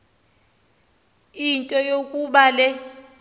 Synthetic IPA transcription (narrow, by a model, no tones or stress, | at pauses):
intʼɔjokʼuɓalɛ